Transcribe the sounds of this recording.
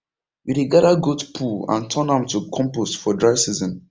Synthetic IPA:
wiɾeɡadaɡotpʰuã̰ntʰɔ̃nãmtukʰɔ̃mpostfɔdɹaɪsizɔ̃n

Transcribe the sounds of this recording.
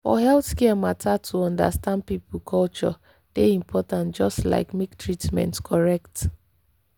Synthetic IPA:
fɔ̰ɦɛlθkɛəmatʰatʰuɔ̃nda̰stãnd̚pipulkʰɔlt͡ʃɔ | d̥eĩmpʰɔtãntd͡ʒɔstla̰ɪkmektɹitmɛ̰̃ntkʰɔɹɛkt

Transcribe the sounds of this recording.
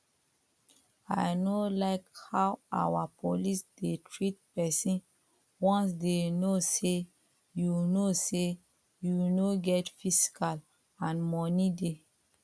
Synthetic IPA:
ajnolaɪkhawa̰wapʰolisdetʰɹit̚pɛsĩn | wɔ̃ns̬denose | junose | junoɡɛtfisi̥kal | ãnmɔnide

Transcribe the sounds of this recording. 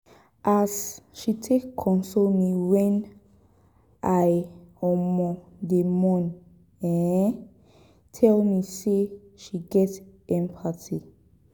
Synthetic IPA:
ʔasʃitʰekʰːɔ̃nsomiwɛ̃n | ʔajɔmɔ̃ | demɔ̃n | ɛ̃ | tʰɛlmise | ʃiɡɛtɛ̃mpʰatʰi

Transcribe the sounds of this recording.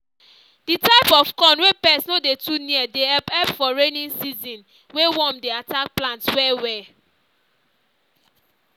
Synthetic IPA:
d̥itaɪpɔfkɔ̃nwepɛsnodetuniɛdeɛpɛpfɔɹenĩnsizĩn | wewɔ̃mdeatak̚plãntswɛwɛ

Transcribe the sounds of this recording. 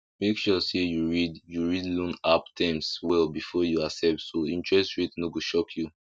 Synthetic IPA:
mekʃusejuɹidjuɹidlɔ̃naptʰãmswɛlbifɔjuasɛp̚tsoĩntɹɛstɹitnoɡoʃɔkʰju

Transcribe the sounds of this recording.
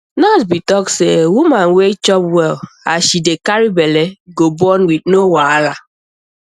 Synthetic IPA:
nas̬bitɔksewumãnwet͡ʃɔpwɛl | a̰ʃidekaɹibɛleɡobɔnwidnowaala

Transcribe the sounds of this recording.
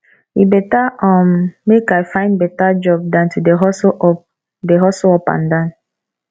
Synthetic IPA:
ibɛtaʔɔ̃mːekajfãɪ̃ndbɛtad͡ʒɔb̚dãntudeɦɔs | deɦɔsoɔpã̰ndãn

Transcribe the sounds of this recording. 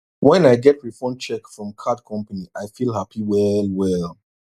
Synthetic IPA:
wɛ̃naɪɡɛtɹifɔ̃nt͡ʃɛkfɹɔ̃mkʰad̚kʰɔ̃mpaniʔaɪfilˠɦapiwɛlˠwɛlˠ

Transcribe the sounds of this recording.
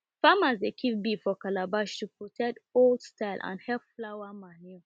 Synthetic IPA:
famazdekʰivbifɔkalabaʃtupɔtʰɛtoldstaɪlʔã̰nhɛpflawamanju

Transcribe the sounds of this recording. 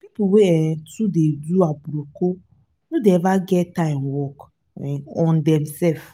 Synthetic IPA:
pipuweɛtudeduabuɾoko | nudeɛvaɡɛtãɪ̃mwɔk | ɛɔ̃ndɛ̃msɛlf

